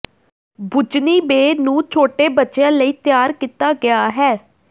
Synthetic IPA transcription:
bʊt͡ʃniːbeːnũːt͡ʃʰoːʈeːbətːʃejãːləiːt̪jaːɾkiːt̪aːɡɪaːɦɛː

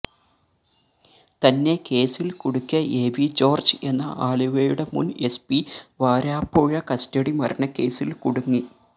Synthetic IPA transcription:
t̪ɐnːe̞ke̞ːsilkuɽukʲːɐʔe̞ːʋid͡ʑo̞ːrd͡ʑɨe̞nːɐʔaːɭiʋejuɽe̞mṵne̞spiʋaːɾaːpːoːɻɐkɐsteɽimɐrɐnɐke̞ːsilkuɽuŋːi

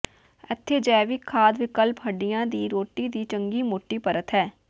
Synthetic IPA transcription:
ɛt̪ʰːeːd͡ʒɛːʋikʰːaːd̪ʋɪkəlpɦəɖijãːd̪iːɾoːʈiːd̪iːt͡ʃəŋɡiːmoːʈiːpəɾət̪ɦɛː

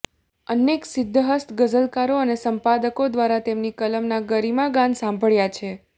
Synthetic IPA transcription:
əneksɪd̪ʱːəɦəst̪ʰɡəd͡ʒəlkaɾoənesəmpad̪əkod̪ʋaɾat̪emnikələmnaɡəɾimaɡãnsãmbʱəɭjat͡ʃʰe

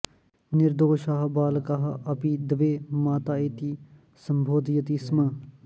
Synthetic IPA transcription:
nɪɾd̪oːʃaːɦbaːlkaːɦaʔɐpiːd̪əʋeːmaːt̪aːet̪iː | səmbʱoːd̪ijət̪iːsmãː

